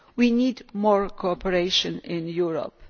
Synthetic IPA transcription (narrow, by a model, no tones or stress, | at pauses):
winidmɔɹkʰoɔpəɹeɪʃɔ̃nɪ̃njuɹɔ̰p̚